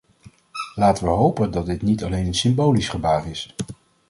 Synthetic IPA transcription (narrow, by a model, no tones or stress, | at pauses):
laːtəʋəɦowpəndɑt̚dɪtnitɑlejnənsɪmbowlisχəbaːrɪs